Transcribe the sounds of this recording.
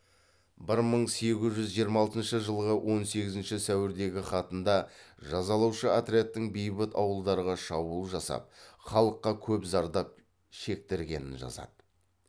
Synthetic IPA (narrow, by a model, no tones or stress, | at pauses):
bɪɾməɴse̞ɡʲɪzʒʏzʒijəɾmɑlˠt̪ənʃəʒəlˠʁəwʔo̞nse̞ɡʲɪzɪnʃɪsæwɪɾd̪e̞ɡʲɪχɑt̪ənd̪ɑʒɑzɑlˠɑwʃəat̪ɾet̪ːɪŋbejbɪt̪ɑwəlˠd̪ɑɾəʁɑʃɑbulˠʒɑsɑ̰p̚χɑlˠəqːɑkʲʰɵpzɑɾd̪ɑp̚ | ʃe̞k̚t̪ɪɾɡʲe̞nɪnʒɑ̰zɑ̰d̪ə